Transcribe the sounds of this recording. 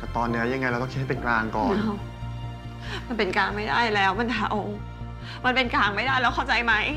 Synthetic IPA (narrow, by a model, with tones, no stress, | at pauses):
ka˥˩t̪ɔː˧nːi˦˥ɐja˧ŋa˧jɾa˧t̪ɔ˥˩k̪ʰːhpe˧nklaː˧ŋkɔː˨˩na˧˩w | ma˧npe˧nkaː˧ŋma˥˩jdaː˥˩jlɛː˦˥wma˧nhʰaː˧˩ʔo˧˩ŋ | ma˧npe˧nkaː˧ŋma˥˩jdaː˥˩jlɛː˦wkʰa˥˩wt͡ɕa˧jma˦˥j